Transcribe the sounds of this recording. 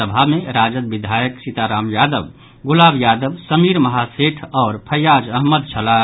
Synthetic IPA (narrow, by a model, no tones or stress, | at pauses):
əbʱameɾaːd͡ʒəd̪̚bid̪ʱajəksit̪aɾaːmjaːd̪əb | ɡulaːbjaːd̪əbsəmiɾməɦaseʈʰɔːɾpʰəjaːd͡ʒəɦməd̪̚t͡ʃʰəla